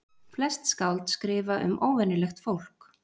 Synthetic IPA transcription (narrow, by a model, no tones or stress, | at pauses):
flɛst̪skawlt̪skɾɪːvaʔʏ̰mʔoːwvɛnɪlɛxt̪fowl̥k